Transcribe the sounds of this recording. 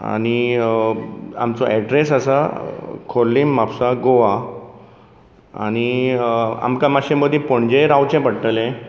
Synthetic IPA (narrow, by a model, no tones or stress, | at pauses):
a̰ñi | amt͡sɔʔɛɖɾesəsakʰolːimːapsaɡoʋa | a̰ñi | a̰mkamaɕẽməd̪ʱipoɳd͡ʑeɾawt͡ɕẽpəɽʈəlẽ